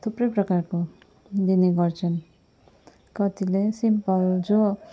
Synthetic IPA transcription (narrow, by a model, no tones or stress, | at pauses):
t̪ʰuprʌjprʌkarko | d̪ineɡʌrt͡sʰʌn | kʌt̪ilesimpʌld͡zo